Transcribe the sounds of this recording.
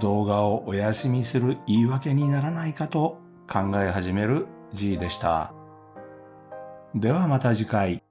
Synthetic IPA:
d̪o̞ːɡao̞ʔojasɨmʲisɨɾɯ̟iːβake̞ɲ̟inaɾanaikat̪o̞ | kʰãŋɡae̞ɦaʑime̞ɾɯ̟ | ʑiːd̪e̞ɕi̥t̪a̰ | d̪e̞βamat̪aʑikai

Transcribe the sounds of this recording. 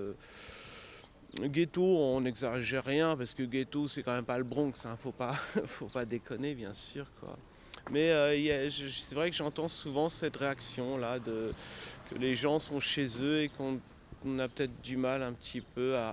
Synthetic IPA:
ɡʲet̪oɔ̃nɛɡzaʒɛʁjɛ̃paʁsə̥kəɡʲet̪osɛkɑ̃mɛmpaləbʁɔ̃ɡsɛ̃fopafopad̪ekɔnebjɛ̃syːʁkwa̰ | mɛøilaʒsɛvʁɛkəʒɑ̃t̪ɑ̃suvɑ̃sɛt̪ʁeaksjɔ̃lad̪əkə̰leʒɑ̃sɔ̃ʃezøekɔ̃ | napøt̪ɛt̪χd̪ymalɛ̃pət̪ʰipøa

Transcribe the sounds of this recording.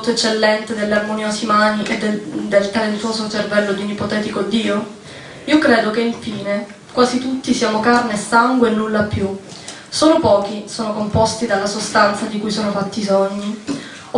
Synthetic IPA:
t̪oet͡ʃːelːɛnt̪ed̪elːearmonjoːsimaːniʔed̪d̪elt̪alent̪woːsot͡ʃervɛlːod̪iunipot̪ɛːt̪ikod̪iːo | iːokɾeːd̪okeiɱfiːne | kwaːzit̪ut̪ːisiaːmokarnesaŋɡweːnːulːapːju | soːnopɔːkisoːnokompɔst̪id̪alːasost̪ant̪sad̪ikujsoːnofat̪ːisoɲːi

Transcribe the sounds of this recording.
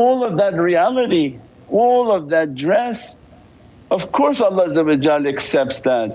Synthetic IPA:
ɔlˠʌvðɨt̚ɹiælˠəɾi | ɔlˠʌvðɨt̚dɹɛs | ʌv̥kʰɔɹsələzəvɨd͡ʒalɨksɛp̚tsðæt̚

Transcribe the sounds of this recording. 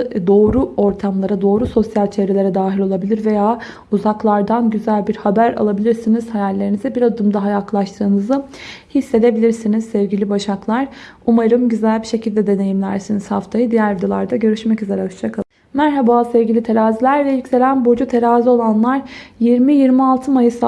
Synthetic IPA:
d̪o̞ːɾuo̞ɾt̪ʰamlˠaɾad̪o̞ːɾuso̞sjalʲt͡ʃʰe̞vɾelʲe̞ɾɛd̪aːɦilʲo̞lˠabilʲiɾve̞jaː | uzaklˠaɾd̪anɟyzælʲbiɾhabæɾa̰lˠabilʲiɾsinizhajæɾlʲe̞ɾinizɛbiɾad̪ɯmd̪aɦajaklˠaʃt̪ʰɯːnɯzɯhisːe̞d̪e̞bilʲiɾsiniz̥sɛvɟilʲibaʃaklˠaɾ̥umaɾɯmɟyzælʲbiʃe̞cilʲd̪ɛd̪e̞ne̞jimlʲæɾsiniz̥haft̪ʰajɯd̪ijæɾd̪ilˠaɾd̪aɟø̞ɾyʃmɛcyze̞ɾad͡ʒaka | mæɾɦabaːsɛvɟilʲit̪ʰe̞ɾaːzilʲæɾlɛilʲcze̞lʲænbod͡ʒut̪ʰe̞ɾaːzio̞lˠanlˠaɾjiɾmijiɾmialˠt̪ʰɯmajɯs

